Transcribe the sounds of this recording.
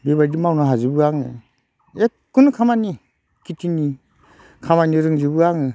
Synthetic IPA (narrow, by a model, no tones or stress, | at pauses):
biβaɾdimawnaɦazibɯaŋɯ̰ | ekː | unkʰamani | kitʰini | kʰamaniɾɯŋzibɯaŋɯ